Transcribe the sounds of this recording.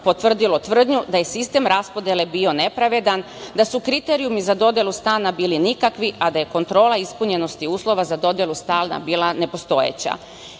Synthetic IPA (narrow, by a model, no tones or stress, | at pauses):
po̞t̪ʋr̩d̪ilo̞t̪ʋr̩d̪ɲud̪aje̞sist̪e̞mɾaspo̞d̪jelebio̞ne̞pɾaʋe̞d̪an | d̪asukɾit̪e̞ɾijumizad̪o̞d̪je̞lˠust̪aːnabiːlinikakʋiʔad̪aje̞ko̞nt̪ɾo̞ːlˠaispuɲe̞no̞st̪iuːslˠo̞ʋazad̪o̞d̪je̞lust̪aːlna̰biːlˠane̞po̞st̪o̞jḛt͡ɕa̰